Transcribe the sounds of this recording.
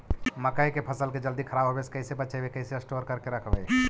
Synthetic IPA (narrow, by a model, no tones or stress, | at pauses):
məkəjkepʰəsəlked͡ʒəld̪ikʰəɾaːbʱɦobeskəɪsepət͡ʃʰəbekəɪseəsʈoəɾkəɾkeɾəkʰbə̰j